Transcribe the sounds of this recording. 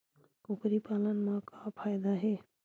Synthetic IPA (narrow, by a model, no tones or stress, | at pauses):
kukɾipalənmãkapʰajd̪aɦe